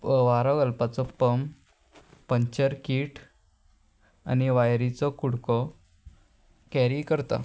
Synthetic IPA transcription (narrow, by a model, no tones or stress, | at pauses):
ʋaɾɔɡəlpat͡sɔpəm | pəɲt͡ɕəɾkiːʈ | a̰niʋajɾit͡sɔkuɽkɔ | kɛɾikəɾt̪a̰